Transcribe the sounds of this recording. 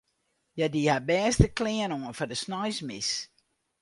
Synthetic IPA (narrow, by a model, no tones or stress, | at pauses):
jadihabɛːstəkʰlɪənoənfɔdəsnɔjsmɪs